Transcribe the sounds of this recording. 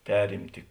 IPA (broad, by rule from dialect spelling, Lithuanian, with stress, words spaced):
ˈpʲæːrʲɪmʲtʲɪ